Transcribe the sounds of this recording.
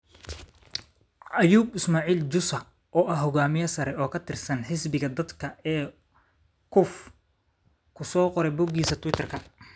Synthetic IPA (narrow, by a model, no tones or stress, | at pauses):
ʔɐjuːbɪsmaːʕiːld͡ʒʊsɐ | ʔɔːʔɐɦɔɣaːmɪjɐsɐɾɛɔːkʰɐt̪ʰɪrsɐnħɪsbɪɣɐd̪ɐd̪kʰɐɛː | kʰʊf | kʰʊsɔːqɔɾɛbʊɡiːsɐt̪ʰʊwɪt̪ʰɐrkʰɐ